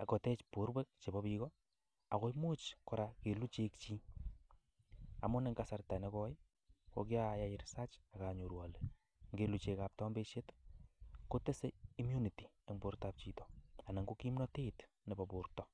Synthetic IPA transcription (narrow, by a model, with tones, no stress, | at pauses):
a˨kɔ˨tɛ˦t͡ʃpo˨˦ɾwe˦k̚t͡ʃe˨bɔ˦bikɔ | a˨ko˦mu˦t͡ʃkɔ˨ɾa˨ke˨lu˦t͡ʃekt͡ʃi˦ | a̰˨mʊ˦ne˦ŋɡa˦sa˧rta˨nekɔj | ko̰˦kja˦ja˦iɾsa˦t͡ʃa˨ka˨ɲo˨ɾwa˨le | ŋɡe˦lut͡ʃekap̚tɔ˦mbe˦ʃe˦t | ko˦te˦se˦i˦mju˦ni˨ti̥˨ | e˦ŋbo˦ɾtap̚t͡ʃi˨tɔ˨a˨na˨ŋɡo˦ki˦mnɔ˦te˦t | ne˨bɔpu˨rtɔ